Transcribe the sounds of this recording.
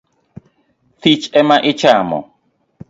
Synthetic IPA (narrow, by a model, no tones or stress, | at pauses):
t̪it͡ʃɛmãʔit͡ʃamɔ̰̃